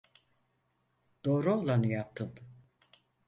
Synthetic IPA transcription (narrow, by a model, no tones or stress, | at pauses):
d̪̥o̞ːɾuolˠanɯjap̚t̪ʰɯn